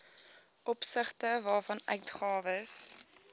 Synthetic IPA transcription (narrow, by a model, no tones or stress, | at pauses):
ʔɔpsəχtəvɑːfɐnœ̰ɥtχɑːvəs